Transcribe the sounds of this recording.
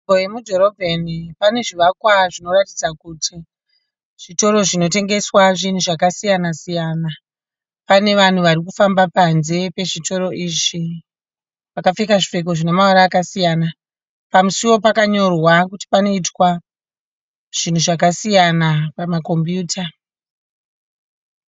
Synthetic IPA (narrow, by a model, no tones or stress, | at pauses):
ojemudʱo̞ɾo̞bʱenipane̞ʐiʋakwaʐino̞ratid͡zakutʰi | ʐ̥ito̞ɾo̞ʐino̞te̞ŋɡe̞swaʐin̤uʐakasijanasijaːna | pane̞ʋan̤uʋarikufambapanze̞pe̞ʐitʰo̞ɾo̞ʔiːʐi | ʋakafekaʐife̞k̬o̞ʐine̞maaɾaːkasijana | pamusiwo̞pakaɲo̞rwakuti̥pano̞itwa | ʐ̥in̤uʐakasijanapamako̞mbjuːtʰa